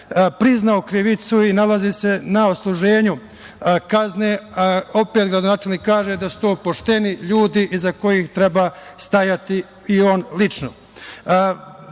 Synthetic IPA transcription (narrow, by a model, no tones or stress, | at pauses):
pɾiznaokɾiʋit̪suinalazise̞naoslˠuʒe̞ːɲu | kazne̞ːao̞peːt̪ɡɾad̪onaːt͡ʃe̞lniːkːaːʒe̞d̪asu̥t̪oːpo̞ʃt̪e̞niʎuːd̪iʔizako̞jixt̪ɾe̞baːst̪ajat̪i | io̞nlit͡ʃno̰